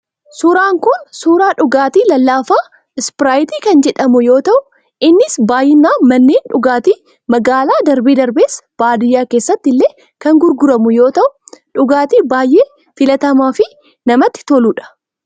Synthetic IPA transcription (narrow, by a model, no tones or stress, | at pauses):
suːɾaːŋkʊnsuːɾaːᶑʊɡaːt̪iːlɐlːaːfaː | ɪspɪɾaːjɪt̪iːkɐnd͡ʒɛᶑɐmʊjo̞ːt̪ɐʔʊ | ʔɪnːɪsbaːjɪnːaːmɐnːeːnᶑʊɡaːt̪iː | mɐɡaːlaːd̪ɐɾbeːd̪ɐɾbeːsb̥aːd̪ɪjːaːke̞ːsːɐt̪ːɪlːeː | kɐŋɡʊɾɡʊɾɐmʊjo̞ːt̪ɐʔʊ̥ᶑʊɡaːt̪iːbaːjʔeː | fɪlɐt̪ɐmaːfɪ | nɐmɐt̪ːɪ̥t̪ɔluːᶑɐ̥